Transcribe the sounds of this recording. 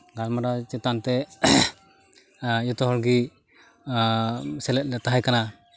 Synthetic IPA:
ɡalmaɾat͡ʃɛt̪ant̪ɛ | jɔt̪ɔɦɔɾɡi | sɛlɛt̪̚lɛt̪aɦajkana

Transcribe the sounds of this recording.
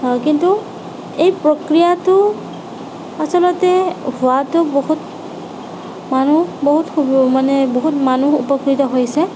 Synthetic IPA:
kintu | ejpɹokɹijatʊ | asɔlɔtɛhʊwatʊboɦut̚ | manuboɦutkʰubmanɛboɦutmanuupɔkɹitɔɦojsɛ

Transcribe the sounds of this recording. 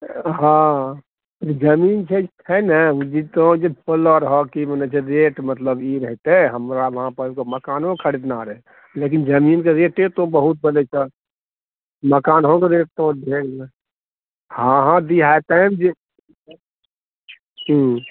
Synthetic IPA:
ɦã | ɾd͡ʒəmiːnt͡ʃʰe | ɛnəd͡ʒit̪od͡ʒepʰəlɔɾɦɔkimənɛt͡ʃʰeɾeʈmət̪ləbiɾəɦt̪eɦəmɾaʋəɦãpəkoməkaːnɦõkʰəɽid̪naɾɛɛ | lek̬ind͡ʒəmiːnkeɾeːʈet̪obəɦut̪̚bəlet͡ʃʰɛ | məkaːnɦõkeɾeːk̚ʰt̪od̪ʱek | ɦãɦãd̪iat̪amd͡ʒe | ɦĩ

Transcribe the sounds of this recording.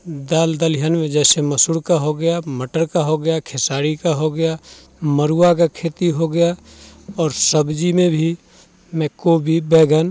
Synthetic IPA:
d̪aːld̪əlɦənmẽd͡ʒɛːseməsʊɽkaɦoɡəjaməʈəɾkaɦoɡəjakʰesaːɾikaɦoɡəja | məɾuːak̬akʰeːt̪iɦoɡəja | ɔːɾsəbd͡ʒimẽbʱi | mɛ̃koːbʱibɛːɡən

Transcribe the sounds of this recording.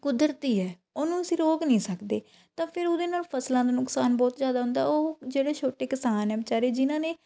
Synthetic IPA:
kʊd̪əɾt̪iːɛː | oːnũːəsĩːɾoːɡnĩːsəkd̪eː | t̪ãːpʰɪɾʊd̪eːnaːlpʰəslãːd̪eːnʊksaːnbɔːt̪zjaːd̪aːɦʊ̃nd̪a̰ːoːd͡ʒeːɽeːt͡ʃʰoːʈeːkɪsaːnɛːbt͡ʃaːɾeːd͡ʒɪnãːneː

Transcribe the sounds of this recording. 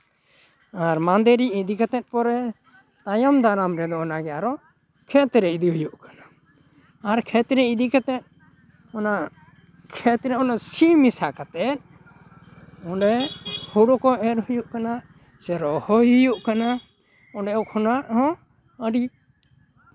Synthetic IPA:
aɾmand̪eɾiid̪ikɛt̪ɛt̪̚pɔɾɛ | t̪ajɔmd̪aɾamɾɛd̪ɔɔnaɡɛaɾɔ | kʰɛt̪ɾɛid̪iɦujuʔkḁna | aɾkʰɛt̪ɾɛid̪ikɛt̪ɛt̪̚ˀ | ɔna | kʰɛt̪ɾɛɔnasimisakat̪ɛt̪̚ | ɔɳɖɛhuɽɔkɔʔɛɾhujuʔkana | sɛɾɔhɔjujuʔkana | ɔɳɖɛɔkʰɔnaʔhɔ̃ | əɖi

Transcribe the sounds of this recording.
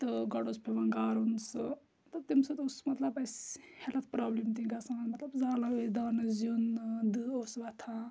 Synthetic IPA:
t̪ɨɡɐɽospʰeʋãŋɡaːɾuns | t̪ɐt̪imsɐt̪usmɐt̪lɐbɐshelɐt̪̚ʰpɾaːblimt̪̬ĩɡɐsãːnmɐt̪lɐbzaːlaod̪aːnɨzjund̪ɨosʋɐt̪ʰã

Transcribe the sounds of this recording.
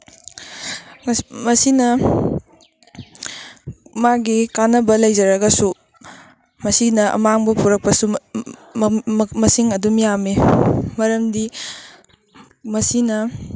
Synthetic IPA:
mɐsinɐ | maɡikanɐbɐlɐjzɐɾɐɡɐsu | mɐsinɐʔɐ̰maŋbɐpʰuɾɐk̚pɐsu | mɐsiŋɐdumijamemɐɾɐmdi | mɐsinɐ

